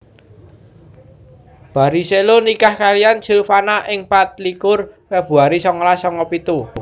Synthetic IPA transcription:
b̥a̤ɾiselonikahkalijant͡ʃilfanaʔɪŋpat̪̚likʊrweb̥ṳaɾisɔŋɔlasɔŋɔpit̪u

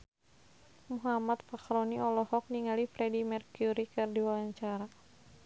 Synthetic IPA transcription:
muɦamat̪̚fakɾɔniɔlɔhɔk̚niŋalifɾɛdimɛrkjuɾikɨrdiwalaɲt͡ʃaɾa

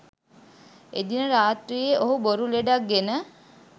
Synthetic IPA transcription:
ed̪inəɾaːt̪ɾijeʔoɦuboɾuleɖak̚ɡenə

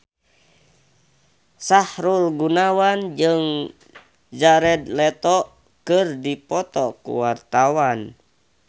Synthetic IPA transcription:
sahɾulɡunawand͡ʒɨŋ | d͡ʒaɾɛd̪lɛt̪ɔ | kɨrdipɔt̪ɔkṵwart̪awan

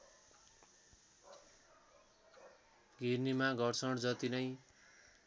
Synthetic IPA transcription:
ɡʱirnimaɡʱʌrt͡sʰʌɽd͡zʌt̪inʌj

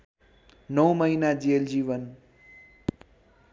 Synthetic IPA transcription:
nʌwmʌinad͡ʒeld͡ʒiʋən

